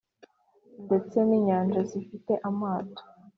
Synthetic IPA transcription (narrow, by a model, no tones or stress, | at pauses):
nde̞t͡se̞niːɲaːnd͡ʒazifite̞ʔamaːto̥